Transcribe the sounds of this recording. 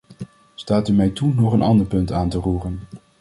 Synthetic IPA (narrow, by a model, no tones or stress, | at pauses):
staːtymɛjtunɔχənʔɑ̰ndəɹpɵntaːntəruːrən